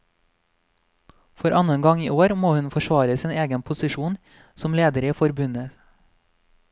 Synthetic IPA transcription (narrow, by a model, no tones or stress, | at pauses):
fɔɾʔɑnənɡɑŋiːʔoːɾmoːhʉnfɔʃʋɑːɾəsiːneːɡənpʰʊsɪʃuːn | sɔmleːd̪əɾiːfɔɾbʉnə